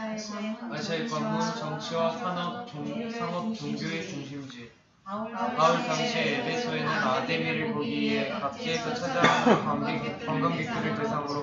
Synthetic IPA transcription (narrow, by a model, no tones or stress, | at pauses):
aɕʰaip͈ʌŋɡot͡ɕʌŋt͡ɕʰiwasʰanʌsʰaŋʌp̚t͡ɕoŋɡjoet͡ɕoŋɕʰimd͡ʑi | paoɭsʰaŋɕʰiebesʰʌenɯnademiɾɯɭpoɡiekap̚k͈eːsʰʌt͡ɕʰad͡ʑaɦa | pʌŋɡaŋɡitʰɯɾɯɭtesʰaŋɯɾo